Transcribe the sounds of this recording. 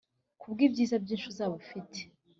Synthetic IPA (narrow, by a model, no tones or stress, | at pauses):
kʰubɡibɟiːzabɟiːnʃuzaːβofitʰe̥